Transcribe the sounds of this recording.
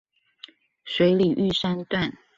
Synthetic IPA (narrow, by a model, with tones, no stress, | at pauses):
swe˨˧˥ɪli˨˩ʔy˥˨˩ʂa˥nt̪wa˥˨n